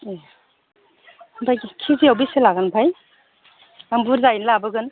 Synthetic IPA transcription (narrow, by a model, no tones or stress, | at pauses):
e | bʰajɡikʰiziawbiselaɡɯnpʰaj | ambuɾzajnlabɯɡɯn